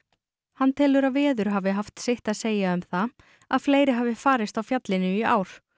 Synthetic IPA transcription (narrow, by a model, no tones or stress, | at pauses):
hanːt̪ʰɪlʏɾavɛːðʏɾ̥ɦavɪɦaft̪sɪht̪aðseːjaʏmθa | aðfleːjɾɪɦaːvɪfaːɾɪst̪awfjat̪lɪnʏia̰ːwɾ̥